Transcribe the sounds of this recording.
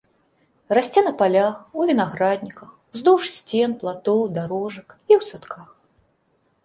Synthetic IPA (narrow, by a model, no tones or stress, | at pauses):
rasʲt͡sʲɛnɐpalʲaxuvʲinaɣɾad̪ʲnʲikɐx | zd̪uʂsʲt͡sʲɛnplˠat̪ɔwd̪aɾɔʐɐkiwsat̪kʰax